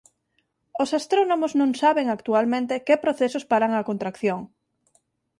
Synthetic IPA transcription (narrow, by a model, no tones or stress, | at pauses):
osast̪ɾonomoznõŋsaβeŋakt̪ualmẽnt̪ekepɾoθesospaɾaŋakõnt̪ɾakθjoŋ